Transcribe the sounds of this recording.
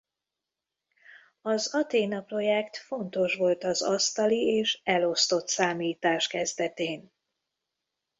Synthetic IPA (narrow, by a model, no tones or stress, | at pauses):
ɒzɒt̪eːnɒpro̞jɛkt̪fo̞nt̪o̞ʃʋo̞lt̪ɒzɒst̪ɒlieːʃɛlo̞st̪o̞t̪saːmiːt̪aːʃkɛzd̪ɛt̪eːn